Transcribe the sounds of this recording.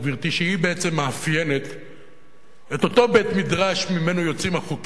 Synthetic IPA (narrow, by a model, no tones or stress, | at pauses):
viʁt̪iʃeibeet͡se̞mːeafjene̞t̪ | et̪o̞to̞bet̪midʁaʃmime̞nojo̞t͡simaχut